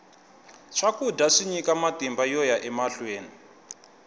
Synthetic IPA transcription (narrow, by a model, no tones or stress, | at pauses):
t͡ʃʰakudaʂiɲikamatimbajɔjaʔɛmaɬweːni